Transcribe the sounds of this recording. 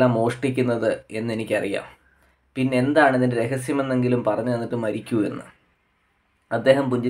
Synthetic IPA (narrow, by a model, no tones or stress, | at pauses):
aːmo̞ːʂʈik̬ʲːunːɐðɨe̞nːe̞nikʲːɐrija̰ːm | pinːe̞end̪aːɳɐðindeɾe̞ɣɐsjɐme̞nːe̞ŋɡilumpɐrɐɲːuenːiʈːɨmɐɾikʲːue̞̰nːɨ̰ | ɐd̪ːe̞ːɦɐmpuɲd͡ʑɐ